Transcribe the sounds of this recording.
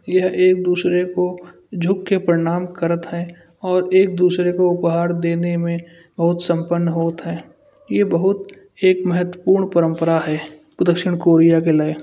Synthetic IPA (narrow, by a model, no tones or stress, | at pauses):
jɐɦeːk̚d̪uːsɾeko | d͡ʒʱʊkːepəɾɪɽ̃aːmkəɾət̪ɦɛ̃ː | ɔːɾeːk̚d̪uːsɾekoʊpɦaːɾd̪eːnemẽ | bɐɦʊt̪sə̃mpənːɦoːt̪ɦɛː | jebəɦʊt̪ | eːkmɛɦət̪wəpuːɾɳpəɾə̃mpəɾaɦɛː | d̪əkʃɪɽ̃koːɾijakelae